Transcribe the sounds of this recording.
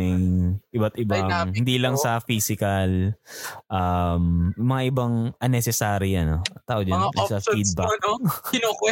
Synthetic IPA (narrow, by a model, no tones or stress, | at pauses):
ɐjʔɪbɐt̪ɪbahɪnd̪ilɐŋsɐfiːsɪkɐl | ʔɐmmɐŋaʔɪbɐŋʔɐnːɛsɛsaːɾijɐnoɐt̪aːʔod͡ʒɐnnlɐsɐfid̪̚bɐokɪnokwɛ